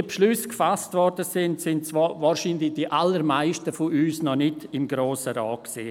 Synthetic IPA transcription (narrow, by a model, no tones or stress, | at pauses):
pʃlyskfasstvɔɾdəsɪntsɪnt̚t͡sʋɔvaːɾʃiːndlɪçd̥iʔalːəɾmaɪʃtəfʊyːsnɔnɪtɪmɡɾoːsəɾaːksḭː